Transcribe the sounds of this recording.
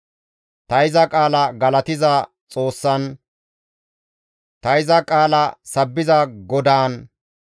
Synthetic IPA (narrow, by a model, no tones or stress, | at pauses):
t̪ɐɪzɐkʼaːlɐɡɐlɐt̪ɪzɐ | t͡sʼo̞ːsːɐn | t̪ɐɪzɐkʼaːlɐsɐbːɪzɐɡɔd̪aːn